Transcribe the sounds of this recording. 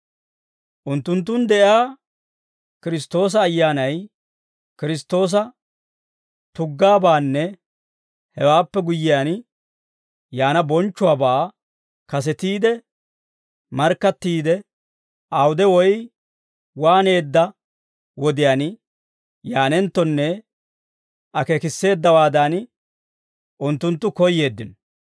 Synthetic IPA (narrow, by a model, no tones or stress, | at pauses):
ʔʊnt̪ːʊnt̪̬ːʊnd̪ɛʔjaː | kɪɾɪst̪o̞ːs̬ɐːjːaːnɐj | kɪɾɪst̪o̞ːs̬ɐ | t̪ʊɡːaːbaːnːɛ | hɛwaːpːɛɡʊjːɪjaːn | jaːnɐbɔnt͡ʃːʊaːbaː | kɐs̬ɛt̪iːd̪ɛ | mɐɾkːɐt̪ːiːd̪ɛ | ʔɐwʊd̪ɛwɔj | waːne̞ːd̪ːɐ | wɔd̪ɪjaːn | jaːnɛnt̪ːɔnːɛ | ɐkekɪsːe̞ːd̪ːɐwaːd̪an | ʔʊnt̪ːʊnt̪ːʊkɔjːe̞ːd̪ːɪnɔ